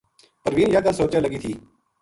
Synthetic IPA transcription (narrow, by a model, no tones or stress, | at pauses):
pəɾʋiːnjaːk̪əlsoːt͡ʃaːləɡiːt̪ʰiː